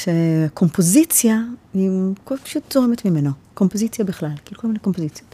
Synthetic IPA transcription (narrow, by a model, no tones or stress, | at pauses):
ʃeakʰo̞mpo̞zit͡sjaikopḁʃutzoʁemetmimenoko̞mpozit͡sjabiχlalkiukolmineko̞mpozit͡sjot